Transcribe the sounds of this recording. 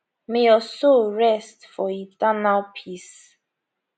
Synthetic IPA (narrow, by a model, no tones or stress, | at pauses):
mɛ̃jɔsoɹɛstfɔidanapʰis